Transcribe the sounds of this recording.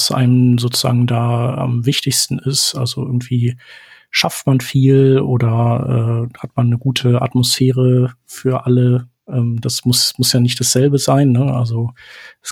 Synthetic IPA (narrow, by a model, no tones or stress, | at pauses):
sʔa̰ɪnənzoːt͡suz̥a̰ːɡŋ̩daːa̰mvɪçtɪçstn̩ɪsʔalzoʔɪɐɡŋ̩tv̥iː | ʃaftmanfiːlʔoːdɐʔɛ̰ːhatmanːəɡuːtʰəʔa̰tmosfeːʁəfyːɐʔalə | ʔɛːmd̥asmʊsmʊsjaːnɪçtd̥asz̥ɛlbəzaɪnːəʔalzos